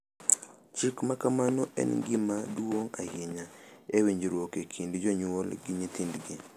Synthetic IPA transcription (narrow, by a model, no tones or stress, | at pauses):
t͡ʃikmakamanɔʔɛ̰nɡɪmadwoŋa̰hjeɲaeweɲd͡ʒɾwokekʰindid͡ʒɔɲwolɡɪɲit̪indɡi